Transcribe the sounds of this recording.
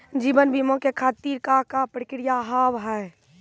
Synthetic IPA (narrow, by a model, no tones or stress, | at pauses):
d͡ʒiːbənbʱiːmõkekʰaːt̪iːɾkakapɾkɪɾijaɦaːʋɦɛe